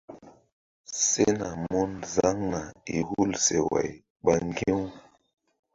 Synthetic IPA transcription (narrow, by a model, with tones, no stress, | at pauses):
se˦na˨mo˦nza˦ŋna˨i˨hu˦lse˨wa̰˨j | ɓa˦ŋɡe˦w